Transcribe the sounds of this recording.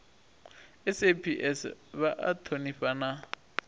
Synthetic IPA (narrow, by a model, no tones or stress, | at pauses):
ɪsepʰiʔɛsβaʔa̰tʰoniɸana